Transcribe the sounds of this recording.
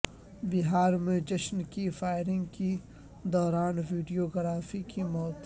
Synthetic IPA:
bɪɦaːɾmẽd͡ʒɐʃnkifaːɪɾɪ̃ŋɡki | d̪ɔːɾaːnʋiːɖijoɡɾaːfikimɔːt̪

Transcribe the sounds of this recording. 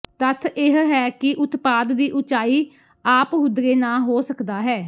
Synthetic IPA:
t̪ət̪ʰɪɦɦɛːkɪʔʊt̪paːd̪ːiːʔʊt͡ʃaːiː | aːpɦʊd̪ɾeːnãːɦoːsəkd̪aːɦɛː

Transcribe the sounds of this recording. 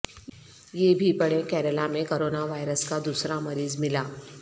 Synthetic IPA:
jeːbʱipɐɽẽkɛːɾəlamẽkoːɾoːnaʋaːjɾəskad̪uːsɾamɐɾiːzmɪlaː

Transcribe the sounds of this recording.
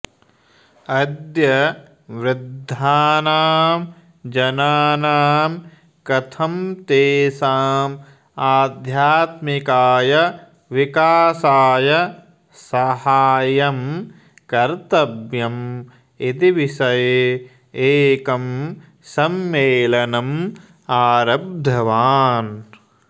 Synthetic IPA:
ɐd̪jɐ | ʋɾɪd̪ʱːaːnaːm | d͡ʒɐnaːnaːm | kɐt̪ʰɐmt̪eːsaːm | aːd̪ʱjaːt̪mikaːjɐ | ʋikaːsaːjɐ | sɐhaːjɐm | kɐɾt̪ɐbjɐm | it̪iʋiʃɐj | eːkɐm | sɐmːeːlɐnɐm | aːɾɐb̚d̪ʱɐʋaːn

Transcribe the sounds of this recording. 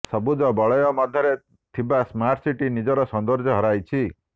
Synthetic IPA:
sɔbud͡ʒɔbɔɭɔjɔmɔd̪ʱjɔɾe | t̪ʰibasmaɾʈsiʈinid͡ʒɔɾɔsɔnd̪ɔɾd͡ʒɔɦɔɾajt͡ʃʰi

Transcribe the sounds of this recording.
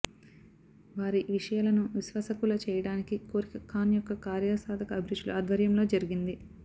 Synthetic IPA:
ʋaːɾiʋiʂɐjaːlɐnuʋisʋɐsɐkulɐt͡ʃɛːjɐɽaːnikikoːɾikɐkʰːaːnjɔkːɐkaːɾjasaːd̪ʱɐkɐːbʱiɾud͡ʒlṵaːd̪ʱʋɐɾjɐmlo̞ːd͡ʒɐɾiɡind̪i

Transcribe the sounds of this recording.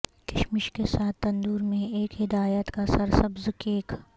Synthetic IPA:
kɪʃmɪʃkesaːt̪ːɐ̃nd̪uːɾmẽeːkɦɪd̪aːjət̪kasɐɾsɐbzɪkeːk

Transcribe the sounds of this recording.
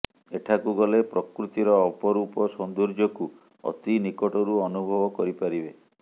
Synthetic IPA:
eʈʰakuɡɔlepɾɔkɾut̪iɾɔːpɔɾupɔsɔnd̪uɾd͡ʒɔku | ɔ̰t̪inikɔʈɔɾuɔnubʱɔbɔkɔɾipaɾibe

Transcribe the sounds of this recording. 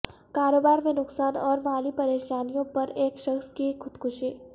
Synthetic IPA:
kaːɾoːbaːɾmẽnʊksaːnɔːɾmaːlipɐɾeːʃaːnijõpɐɾeːkʃɐxskikʰxʊd̪kʰʊʃiː

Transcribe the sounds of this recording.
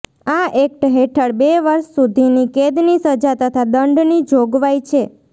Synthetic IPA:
aek̚ʈɦeʈʰəɽbeʋəɾʃsud̪ʱiniked̪nisəd͡ʒat̪ət̪ʰad̪əɳɖnid͡ʒoɡʋajt͡ʃʰe

